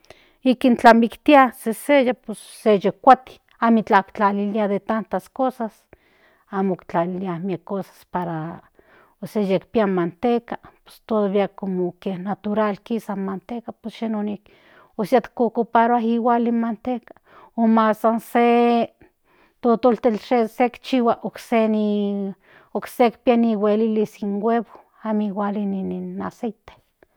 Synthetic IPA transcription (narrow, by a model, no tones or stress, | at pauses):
ikint͡ɬamikt̪iasesejaposːejekʷat̪i̥ | amit͡ɬakt͡ɬaliliaðet̪ant̪askosas | amokt͡ɬaliliahmiekːosḁspaɾa | osejekpiamant̪ekapo̥st̪oðβiakomokehnat̪uɾalkisamant̪ekapesʃenonik | osjat̪kokopaɾaɦiwalimant̪ekḁ | omasanse | t̪ot̪olt̪elʃesekt͡ʃiwaʔokseni | oksekpianiwelilisiŋweβo | amiwalinininasejt̪e̥